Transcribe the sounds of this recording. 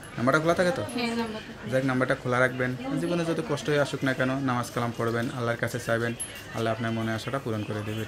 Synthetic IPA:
nambaɾʈakʰolat̪ʰaket̪ɔ | zaknambaɾʈakʰolaɾak̚ʰbenzibɔnezɔd̪ukɔʃʈɔɦeaʃuknakɛnɔnamaskalampɔɽbenalːaɾkasʰesajben | a̰lːaapnaɾmɔneaʃaʈapuɾɔnkoɾed̪eben

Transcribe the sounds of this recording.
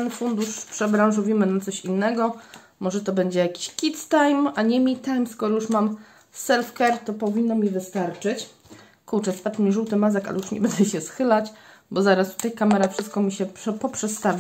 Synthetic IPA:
ɛnfund̪uʂpʂɛbɾaw̃ʐɔvʲimɘnat̪sɔɕinːɛɡɔ | mɔʐɛt̪ɔbɛɲd͡ʑɛjakʲi̥ɕkʲit̪st̪ajmaɲɛmʲit̪ːajmskɔɾɔjuʂmam | sɛlfkɛɾt̪ɔpɔvʲinːɔmʲivɘst̪aɾt͡ʂɘt͡ɕ | kuɾt͡ʂɛspat͡ʂmʲiʐuwt̪ɘmazaka̰lɛjuʂɲɛ̰bɛnd̪ɛɕɛsxɘlat͡ɕ | bɔzaɾast̪u̥t̪ajkamɛɾafʂɘst̪kɔmʲiɕɛpɔpʂɛt̪st̪avʲ

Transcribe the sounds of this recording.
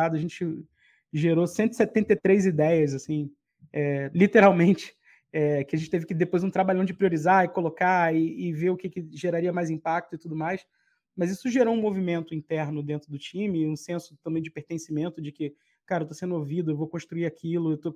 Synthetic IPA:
ad̪ɐʒẽt͡ʃɪ | ʒeɾosẽnt̪ʊɪ̥iset̪ẽnt̪et̪ɾejzid̪ɛjɐzasĩ | ɛlit̪eɾawmẽnt͡ʃɪ̥ | ɛkɪaʒẽt͡ʃɪt̪evɪkɪd̪epojzũt̪ɾabaʎɐ̃d͡ʒɪpɾioɾizaɪkolokaɪːveɾʊkɪkɪʒeɾaɾiɐmajzĩpak̚t̪ʊɪt̪ud̪ʊmajs | mɐzisʊʒeɾoũmovimẽnt̪ʊĩnt̪ɛɾnʊd̪ẽnt̪ɾʊd̪ʊt͡ʃĩmɪũsẽsʊ̥t̪ɐ̃mbẽj̃d͡ʒɪpeɾt̪ẽsimẽnt̪ʊd͡ʒɪkɪ | kaɾɐewt̪osẽnd̪ʊovid̪ʊewvokõʃt̪ɾuiɾakʰilʊewt̪o

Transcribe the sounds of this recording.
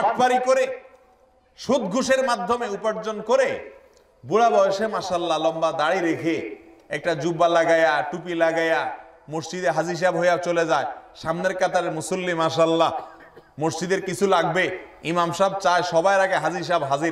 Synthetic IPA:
aʈ̚paɾikoɾe | ʃud̪ɡʱuʃeɾmad̪ʱːomeupaɾd͡ʑonkoɾe | buɽabɔjoʃemaʃaalːalɔmbad̪aɽiɾekʰeɛk̚ʈad͡ʑubalaɡajaʈupilaɡaja | moʃd͡ʑid̪eɦad͡ʑiɾʃ̬abɦojat͡ɕoled͡ʑaeʃamneɾkat̪aɾemusulːimaʃalːa | moʃd͡ʑid̪eɾkit͡ɕʰulaɡbeimamʃab̚t͡ɕaeʃɔbaeɾaɡeɦad͡ʑiʃ̬abɦad͡ʑiɾ

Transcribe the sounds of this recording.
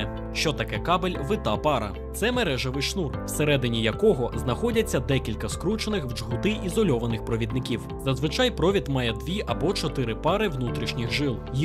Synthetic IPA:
ʃt͡ʃɔt̪ɐkɛkɑbelʲʋɪt̪ɑpɑɾɐ̰ | t̪sɛmeɾɛʒɐʋɪʃnurw̥seɾɛd̪ɪnʲijɐkɔɦɔznɐxɔdʲɐt͡sʲːɐd̪ɛkʲilʲkɐskɾut͡ʃenɪxwd͡ʒɦʊt̪ɪʔizɔlʲɔʋɐnɪxpɾɔʋʲid̪nɪkʲiwzɐzʋɪt͡ʃɑjpɾɔʋʲit̪mɑjɛd̪ʋʲiɐbɔt͡ʃɔt̪ɪɾɪpɑɾɪwnut̪ɾʲiʃnʲixʒɪlˠ

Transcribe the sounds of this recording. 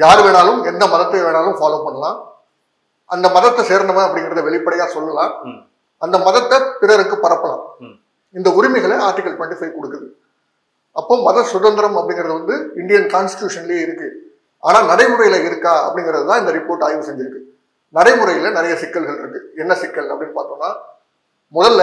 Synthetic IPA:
jaːɾɯʋeːnaːlɯmɛnd̪ɐmɐðɐt̪ːɐʋeːnaːlɯmfaːloːpɐɳːɐlãː | ʔɐnd̪ɐmɐðɐt̪ːɐseːɾnd̪ɐʋɐ̃ɐpːɽɪŋɡɪɾɐðɯʋɛɭɪpːɐɽɐjaːsɔlːɐlãː | ɐnd̪ɐmɐðɐt̪ːɐpɪɾɐɾɯkːɯpɐɾɐpːɐlã̰ː | ɪnd̪ɐʊɾɪmɪɣɐɭeaːɾʈɪkːɐlʈʋɛɳʈɪfɐɪkɔɽɯkːɐðɯ | ɐpːoːmɐðɐsʊðɐnd̪ɐɾɐmɐpːɐɽɪŋɡɪɾɐðɯʋɐnd̪ɯɪɳɖɪjɐnkaːnsʈɪ̥ʈjuːʂɐnɐleːɪɾɯkːɯ | aːnaːnɐɽɐɪmʊɾɐjɪlɐɪɾɯkːaːɐ̰pːɐɽɪŋɡɪɾɐðɯt̪ãːɪnd̪ɐɾɪpoːɾʈːaːjʋɯsɛɲd͡ʒɪɾɯkːɯ | nɐɽɐɪmɯɾɐjɪlɐnɪɾɐjɐsɪkːɐlɣɐɭɪɾɯkːɯɛnːɐsɪkːɐlɐpːɐɽɪnːɯpaːɾt̪õːnaː | mʊðɐlː

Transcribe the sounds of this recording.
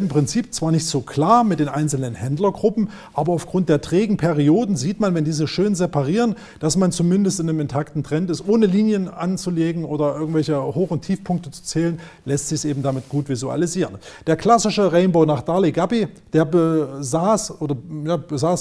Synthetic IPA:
ɪmpʁ̥ɪnt͡siːpt͡sv̥aːɐnɪçtz̥oːkʰl̥aːɐmɪt̚d̥eːnʔaɪnt͡sl̩nənhɛndlɐɡʁʊpm̩ | ʔaːbɐaʊfɡ̥ʁʊnt̚d̥eːɐtʁ̥ɛːɡŋ̩pʰɛʁioːdn̩ziːtmanvɛndiːzəʃøːnzɛpaʁiːʁən | d̥asmant͡sumɪndəstɪnəmɛntʰaktn̩tʁ̥ɛntɪstʔoːnəliːnjənʔant͡suleːɡŋ̩ʔoːdɐʔɪɐɡŋtvɛlçəhoːxʊntʰiːfpʰʊŋk̚tət͡su̥t͡sɛːlən | lɛstz̥ɪçsʔeːbm̩damɪtɡ̥uːtv̥izua̰liziːʁənd̥eːɐkʰl̥asɪʃəʁɛɪnbaʊnaːχd̥aɐliɡabid̥eːɐbəzaːsʔoːdɐjaːbəzaːs

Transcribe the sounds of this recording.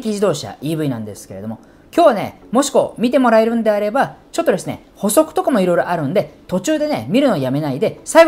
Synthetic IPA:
kʲiʑid̪o̞ːɕa̰iːbɯ̟inãnd̪e̞sɨ̥ke̞ɾe̞d̪o̞mo̞ | kʲoːβane̞̰mo̞ɕi̥ko̞mʲit̪e̞mo̞ɾae̞ɾɯ̟̃nd̪e̞aɾe̞bat͡ɕot̪ːod̪e̞sɨne̞̰ | ho̞so̞kɯ̟̥t̪o̞kamo̞iɾo̞jɾo̞ʔaɾɯ̟̃nd̪e̞t̪o̞t͡ɕɨːd̪e̞nemʲiɾɯ̟no̞ːjame̞naid̪e̞saiɡ

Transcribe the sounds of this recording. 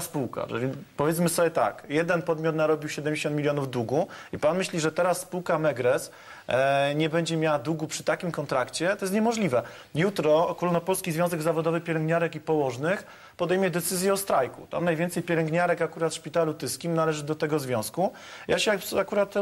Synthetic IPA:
spuwka̰ʐɛ̰pɔvʲjɛt̪smɘsɔbʲjɛt̪a̰kjɛd̪ɛnpɔd̪mʲjɔt̪naɾɔbʲiwɕɛd̪ɛmd͡ʑeɕɔ̃nt̪mʲilʲjɔnuvd̪uɡuipanmɘɕlʲiʐɛt̪ɛɾasːpuwkamɛɡɾɛs | ɲɛbɛɲd͡ʑɛmʲjawad̪uɡupʂɘ̥t̪akʲimkɔnt̪ɾakt͡ɕɛt̪ɔjɛst̪ɲɛmɔʐlʲivɛ | jut̪ɾɔːkulnɔpɔlskʲizvʲjɔ̃zɛɡzavɔd̪ɔvɘpʲjɛlɛŋɡɲaɾɛkipɔwɔʐnɘx | pɔd̪ɛjmjɛd̪ɛt̪sɘzʲjɛɔst̪ɾajkṵt̪a̰mnajvʲɛnt̪sɛjpʲjɛlɛŋɡɲaɾɛkakuɾat̪ʂpʲit̪alut̪ɘskʲimnalɛʐɘd̪ɔt̪ɛɡɔzvʲjɔ̃w̃sku | jaɕɛakuɾat̪

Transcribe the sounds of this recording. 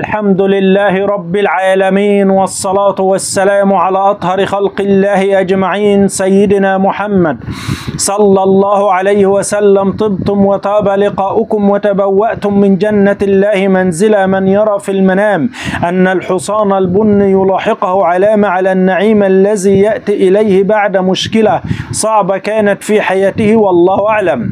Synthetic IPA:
ʔalħamd̪ʊlɪlːaːhɪɾˤɑbːɪlʕaːlamiːnwɑsˤːɑlɑːt̪wasːalaːmʕalaːʔɑt̪ˤhɑɾɪxalqɪlːaːhɪʔad͡ʒmaʕiːnsajːɪd̪ɪnaːmʊħamːad̪sˤɑlːɑlˤːɑːhʊʕalajhɪwasalːamt̪ˤɨb̚t̪ʊmwɑt̪ˤɑːbalɪqɑːʔʊkʊmwat̪abawːaʔt̪ʊmːɪnd͡ʒanːalːaːhɪmanzɪlamanjɑɾˤɑːfilmanaːmʔanːalħʊsˤɑːnalbʊnːijʊlɑːħɪqʊhʊʕalaːmaʕalaːnːaʕiːmʔalːaziːjaʔt̪iːʔɪlajhɪbaʕd̪amʊʃkɪlasˤɑʕbɑkaːnat̪fiːħajaːt̪ɪhɪwɑlˤːɑːhʊʔaʕlam

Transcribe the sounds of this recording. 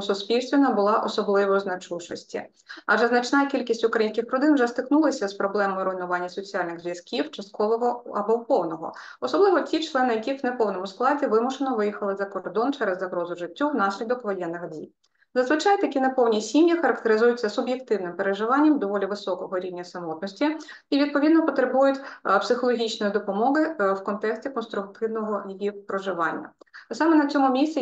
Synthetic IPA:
sʊspʲilʲsʲt̪ʲʋʲɪnɐbʊlˠɑʔɔsɔblˠɪʋɔznɐt͡ʃuʃɔsʲtʲḭ | ɐʒɛznɐt͡ʃnɑjkʲilʲkʲisʲtʲʊkɾɐjinʲsʲkʲɪxpɾɔd̪ɪnwʒɛst̪ɪknulˠɪsʲɐspɾɔblˠɛmɔjɪɾɔjnʊʋɑnʲːɐsɔt͡sʲiɑlʲnɪɣzʋʲjɐskʲiwt͡ʃɐst̪kʰɔʋɔɦɔɐbɔwpɔwnɔɦɔ̰ | ɔsɔblˠɪʋɔtʲit͡ʃlˠɛnɪjɐkʲixwnepɔwnɔmʊsklˠɑdʲiʋɪmʊʃenɔʋɪjixɐlˠɪzɐkɔrd̪ɔnt͡ʃɛɾɛzːɐɦɾɔzʊʒɪtʲːuwnɑsʲlʲid̪ɔkʋɔjɛnːɪxdʲḭj | zɐzʋɪt͡ʃɑjt̪ɐkʲinepɔwnʲisʲimjixɐɾɐkt̪eɾɪzujʊt͡sʲːɐsʊbjekt̪ɪwnɪmpeɾeʒɪʋɑnʲːɐmd̪ɔʋɔlʲiʋɪsɔkɔɦɔɾʲiwnʲɐsɐmɔt̪̚nɔsʲtʲi | iʋʲid̪̚pɔʋʲid̪nɔpɔt̪ɾebujʊtʲpsɪxɔlˠɔɦʲit͡ʃnɔjid̪ɔpɔmɔɦɪwkɔnt̪ɛksʲtʲikɔnst̪ɾʊk̚t̪ɪwnɔɦɔjijipɾɔʒɪʋɑnʲːɐ̰sɑmɛnɐt͡sʲɔmʊmʲisʲt͡sʲi

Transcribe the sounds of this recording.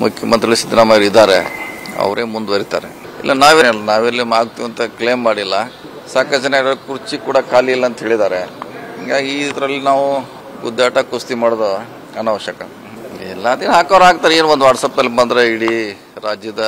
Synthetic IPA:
mukʰjɐmɐnt̪ɾiɐɭisid̪ʱnaːmɐjɐɾid̪aːɾḛɐ̰ʋɾeːmund̪ʋɐɾit̪a̰ːɾḛ | ḭlːɐnaːʋelɐnaːʋeɾlːimaːɡ̚t̪iʋɐnt̪ɐkleːmːaːɽilːɐ | saːkɐd͡ʒɐnaid̪ɐlkuɾt͡ʃikuːɽɐkʰaːliilːɐnt̪ɐɦe̞ːɭid̪aːɾeŋɡaːɡid̪ɾɐlːinaːʋu | ɡud̪ːaːʈɐkust̪imaːɽd̪o | ɐnɐʋɐʃjɐkɐ | ilːɐɐd̪inɦaːkɐʋɾaːɡ̚t̪aːɾeeːnuond̪uʋaːʈsɐːpnɐlːibɐnd̪ɾeiɽi | ɾaːd͡ʒjɐd̪ɐ

